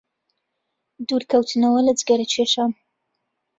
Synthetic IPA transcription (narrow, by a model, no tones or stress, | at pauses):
d̪uːɾkʰɐwt̪ʰɨnɐwɐlɐd͡zɡɐɾɐt͡ʃʰeʃaːn